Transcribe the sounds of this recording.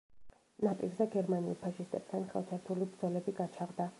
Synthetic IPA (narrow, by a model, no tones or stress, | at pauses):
napʼiɾzɛɡɛɾmaniṵpʰaʃist̪ʼɛp̚t̪ʰanχɛ̰lˠt͡ʃ̪ʰaɾt̪ʰulibɾd̪zɔlɛbiɡat͡ʃʰaʁd̪a